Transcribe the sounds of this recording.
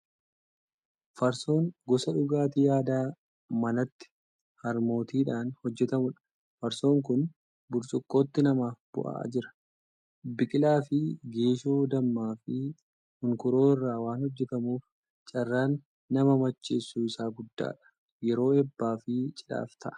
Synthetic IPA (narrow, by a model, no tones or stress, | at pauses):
fɐɾso̞ːŋɡɔsɐᶑʊɡaːt̪ijaːd̪aː | mɐnɐt̪ːɪ̥ | hɐɾmo̞ːt̪iːᶑaːnhɔd͡ʒːɛt̪ɐmʊᶑɐ̥ | fɐɾso̞ːŋkʊn | bʊɾsʼʊkːo̞ːt̪ːɪnɐmaːfb̥ʊ̰ʔa̰a̰ːd͡ʒɪɾɐ̥ | bɪkʼɪlaːfɪɡeːʃoːd̪ɐmːaːfɪ | hʊŋkʊɾo̞ːɪrːaːwaːnhɔd͡ʒːɛt̪ɐmuːf | t͡ʃʼɐrːaːnː | ɐmɐmɐt͡ʃːeːsːuːɪsaːɡʊd̪ːa̰ːᶑɐ̥ | jɛɾo̞ːɛbːaːfɪt͡ʃʼɪ̥ᶑa̰ːft̪ɐʔɐ̥